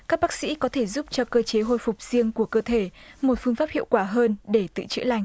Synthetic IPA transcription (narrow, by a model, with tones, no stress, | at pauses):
kaː˦˥k̚ɓaː˦˥k̚sḭ˧˥kɔ˨˦t̪ʰe˧˩zu˦˥p̚t͡ɕɔ˧kəː˧t͡ɕe˨˦ɦo˧jfʊ˨˩k͡p̚z̥i˧əŋku˧˩əkəː˧t̪ʰe˧˩mo˨˩t̚fɨ˧əŋfaː˦˥p̚hḭ˧əwkwaː˧˩ɦəː˧nɗe˧˩t̪ɨ̰˧˨t͡ɕɨ̰˧˥əla˧˩jŋ̟